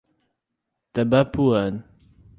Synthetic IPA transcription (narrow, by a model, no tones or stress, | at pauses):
t̪abapuan